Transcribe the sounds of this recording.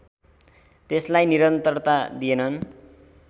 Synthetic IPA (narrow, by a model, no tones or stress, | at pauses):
t̪eslajniɾʌnt̪ʌrt̪ad̪ienʌn